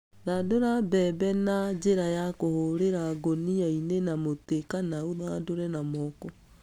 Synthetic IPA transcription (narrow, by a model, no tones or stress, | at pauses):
ɾadoɾabɛːbɛnad͡ʒeɾajakohoɾeɾaɡoniainenamotekanaoðadoɾɛnamɔkɔ